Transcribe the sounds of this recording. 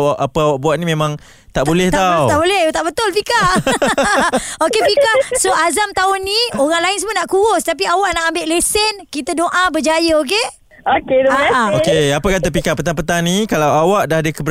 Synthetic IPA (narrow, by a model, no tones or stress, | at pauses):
aʔapəawaʔ̚buaʔnĩmẽmãŋ | t̪aʔbolɛht̪awt̪aʔbolɛht̪aʔbət̪ʊlpika | okepikahsoʔazamt̪aʊnːioɣaŋlaɪns̬əmənaʔkuɣʊst̪ap̬iawaʔnaʔambɪʔlesənkit̪adoʔãbəd͡ʒajəok̬e | oket̪aɛokeapəkat̪əpikapət̪aŋpət̪anĩkalawawaʔdahadəkəbəɾ